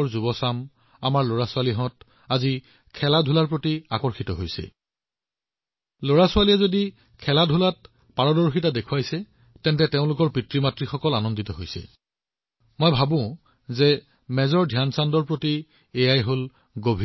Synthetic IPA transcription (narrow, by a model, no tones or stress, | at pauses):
ɔɹzubɔsam | a̰maɹloɹasʊaliɦɔ̃t | azi | kʰɛladʱulaɹpɹotia̰kɔɹxitɔɦojsɛ̰ | loɹasʊaliɛzodi | kʰɛladʱʊlat̚ | paɹɔdɔɹxitadekʰuwajsɛ | tɛntɛteʊ̃lʊkɔɹpɹitɹimatɹixɔkɔlanɔnditɔɦojsɛ̰ | mojbʱabʊ̃ | zɛ | mɛzɔɹdʱijansandɔɹpɹoti | ejajɦol | ɡobʱi